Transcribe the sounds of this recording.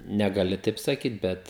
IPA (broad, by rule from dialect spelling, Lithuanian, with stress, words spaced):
nʲɛɡɐˈlʲɪ ˈtɐɪp sɐˈkʲiːt ˈbʲɛt